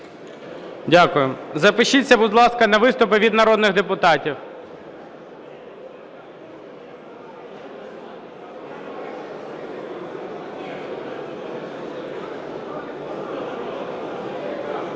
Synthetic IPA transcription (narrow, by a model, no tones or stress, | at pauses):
dʲakʊjʊzɐpɪʃit͡sʲːɐbʊd̪lˠɑskɐnɐʋɪst̪ʊpɪʋʲid̪nɐɾɔd̪nɪɣd̪epʊt̪ɑtʲiw